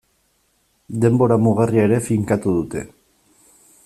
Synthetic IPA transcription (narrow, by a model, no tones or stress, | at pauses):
d̪e̞mbo̞ɾamuɣariaeɾe̞fiŋkat̪uðut̪e̞